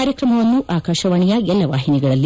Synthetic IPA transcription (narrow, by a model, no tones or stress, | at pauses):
aːɾjɐkɾɐmɐʋɐnːuʔaːkaːʃɐʋaːɳijɐɛlːɐʋaːɦiniɡɐɭɐlːi